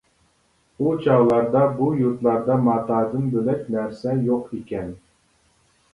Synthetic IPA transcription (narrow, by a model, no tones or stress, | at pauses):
ut͡ʃʰɑʁlˠɑɾd̪ɑbujuɾt̪lˠɑɾd̪ɑmɑːt̪ɑːd̪ɨnbølɛkʲnæɾsɛjoqikʲɛn